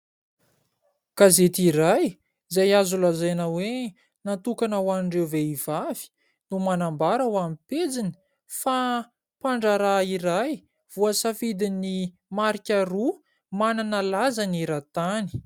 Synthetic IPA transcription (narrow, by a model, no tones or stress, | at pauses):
kazet̪iɾaj | zajazulazajnawe | nat̪ukanawaniɳɖ͡ʐewveiv̥avi̥ | numanambaɾawamiped͡zini̥ | fa | paɳɖ͡ʐaɾaiɾaj | v̥uəsafid̪ini | maɾikʲaɾu | mananəlazaneɾat̪ani̥